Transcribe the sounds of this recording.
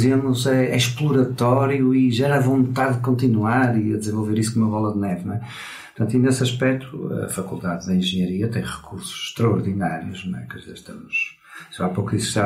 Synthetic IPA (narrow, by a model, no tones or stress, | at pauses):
zemuzɛɛʃplˠuɾɐt̪ɔɾjuiʒɛɾaɐvõnt̪aððɨkõnt̪inuaɾiɐðɨzẽvolˠveɾisuknumɐβɔlˠɐðnɛvnw̃ɛ | ppɾt̪ɐ̃nt̪inesɐʃpɛk̚t̪ʰuɐ̰fɐkulˠd̪aððɨẽʒɨɲɐɾiɐt̪ẽj̃ʁɨkuɾsu̥z̥ʃt̪ɾɐɔɾðinaɾjuʃnw̃ɛ̰kɐvɐʃt̪ɐmuʃ | ʒapokisʃt̪a